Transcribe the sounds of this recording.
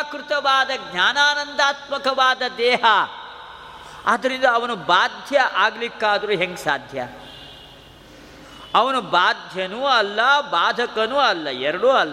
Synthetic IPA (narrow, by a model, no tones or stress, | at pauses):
akɾut̪ɐʋaːd̪ɐɡɲʲaːnaːnɐnd̪aːt̪mɐkɐʋaːd̪ɐd̪ɛːɦɐ | ɐd̪ɐɾind̪ɐːʋɐnubaːd̪ʱjɐʔaːɡlikːaːd̪ɐɾuɦeŋɡsa̰ːd̪ʱjɐ̰ | ɐʋɐnubaːd̪ʱjɐnuɐlːɐbaːd̪ʱɐkɐnuɐlːɐɛɾɐɽuɐlː